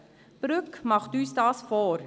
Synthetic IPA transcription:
b̥ɾʏkmɑχtyːsdɑːsfɔːɾ

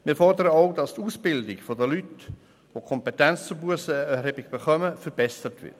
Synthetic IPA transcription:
mɪːɾfɔrdəɾəoʊdɑst̪uːsb̥ɪldɪɡfodəlyt | ʋokʰɔmpɛtɛnt͡st͡sʊɾbuəsəɛɾɦebɪɡ̥b̥eχœməfəɾb̥ɛsəɾtʋɪ̰ɾt

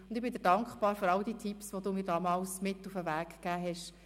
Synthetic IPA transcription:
ʊnd̪ɪbɪnd̪ɪːɾd̥ɑŋkχbɑːɾføɾɑld̥iːtʰipsvʋod̥uːmɪːɾdɑːmɑːlsmɪtːufəʋæːkːæːɦɛʃ

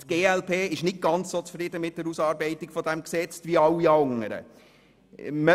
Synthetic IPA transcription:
t̪ɡ̥eːɛlpʰeːɪʃnɪt̚ɡ̥ɑnt͡ssoːt͡sfɾɪd̪əmɪt̚d̥̪əɾusɑːɾbɛɪtɪɡ̥fɔd̪ɛmksɛt͡sʋiɑwːiɑŋəɾə̰ | mə

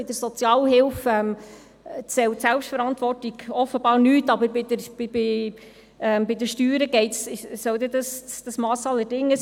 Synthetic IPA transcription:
ɪd̥̪əɾsɔt͡sjɑːlɦɪlfɛm | t͡sɛwtsɛlpʃtfəɾɑnt̪ʋɔrtiɡɔfəbɑːɾnyːtɑbəɾbɪdəb̥ɪbɪ | ɛmbɪd̪əʃtyːɾəɡɛɪt̪sɪʃsœwd̪ɛdəsd̥ɑsmɑːsɑlːəɾdɪŋːə

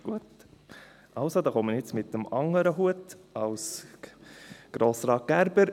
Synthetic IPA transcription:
ɡ̥uət | ʔɑlsod̪ɑːχoməɾjɪt͡smɪt̪əmɑŋəɾəɦuətɑws | ɡ̥ɾoːsɾɑːt̚ɡ̥æɾbəɾ

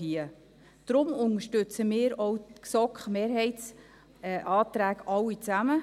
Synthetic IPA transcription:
iə | d̪̥ɾʊmʊnəʃtɵt͡səmɪːɾɔwksɔkχmeːɾɦɛɪtt͡s | ʔɑːt̪ɾæːɡɑwːit͡sæmə

